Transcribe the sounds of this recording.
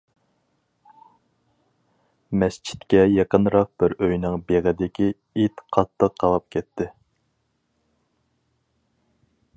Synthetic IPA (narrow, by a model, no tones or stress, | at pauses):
mɛst͡ʃʰi̥t̪kʲɛjɑqənɾɑq̚b̥ɪɾøjnɪŋbeʁɪd̪ɪkʲi | it̪qʰɑt̪ʰːəqʰːɑlˠɑp̚kʲʰɛt̪ʰːɪ